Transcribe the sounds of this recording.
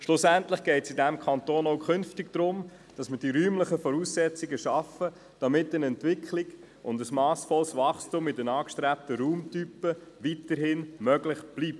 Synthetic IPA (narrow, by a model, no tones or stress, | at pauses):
ʃlʊsæntləχɡ̥ɛɪtsɪdæmkʰɑnt̪oːnoʊkʰʏnftɪɡd̥̪ɾʊm | d̥ɑsməɾd̥iɾyːmləχəfɔɾuːsːɛt͡siɡəʃɑfə | d̥ɑmɪtːənɛntʋɪkχlɪɡ | ʊndəsmɑːsfɔlsʋɑχstumɪdənɑːkʃtɾæp̚təɾuːmtypəʋitəɾɦɪnmœɡlɪχb̥liːp̚t